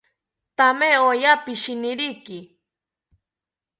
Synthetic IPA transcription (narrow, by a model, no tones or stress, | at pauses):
t̪ameojapɪʃɪnɪɾijkɪ